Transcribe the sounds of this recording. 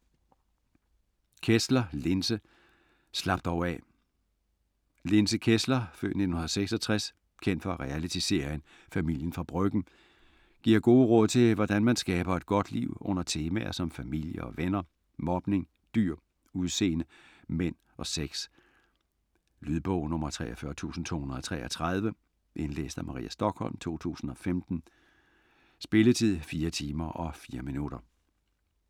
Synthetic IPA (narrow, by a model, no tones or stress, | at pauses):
kʰeslɐle̝nsə | slɑ̈b̥̚d̥ɒʊɛ | le̝nsəkʰeslɐfø̰̥ne̝d̥n̩hunðˠseɡ̥sɒ̽t͡sʰʁas | kʰen̰d̥fɒ̽æʁɛælit͡sʰise̝̰ːɐn | fæmil̰jənfʁɑ̈b̥ʁœɡ̥n̩ | ɡ̥iɐ̰ɡ̥o̝ːəʁɔ̽ð̰ˠt͡sʰe̝ʋɒd̥ænmænsɡ̥ɛːb̥ɐe̝d̥̚ɡ̥ɒ̽d̥lḭʊ̰ɔ̽n̰ɐt͡sʰe̝ːmæɐsɒ̽mfæmil̰jəɒ̽ʋenɐ | mɒ̽b̥ne̝ŋ | d̥yɐ̰ | uðˠse̝̰ːnəmen̰ | ʔɒ̽seɡ̥s | lyðˠb̥ɔʊnɔ̽mɐt͡sʰʁɛ̰ːɒfɶɐt͡sʰṵːsn̩t͡sʰo̝̰ːhunɐð̩ˠɒt͡sʰʁɛ̰ːɒt͡sʰʁað̞ˠʋə | ʔe̝nlḛːsd̥æmɑ̈ʁḭːæsd̥ɒ̽ɡ̥hɒ̽l̰mt͡sʰo̝̰ːt͡sʰṵːsn̩ɒ̽femd̥n̩ | sb̥e̝lət͡sʰið̰ˠfiːɐt͡sʰiːmɐʔɒ̽fiːɐminuɾ̥ɐ